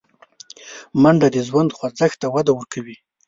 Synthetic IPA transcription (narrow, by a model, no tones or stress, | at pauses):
maɳɖad̪əzwand̪xwazəxt̪awad̪awəɾkʰawi